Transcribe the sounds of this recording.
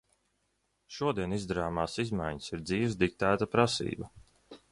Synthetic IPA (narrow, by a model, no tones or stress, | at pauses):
ʃuɔd̪iɛnizd̪aɾaːmaːsizmajɲsiɾd̪ziːvzd̪ik̚t̪æːt̪apɾasḭːba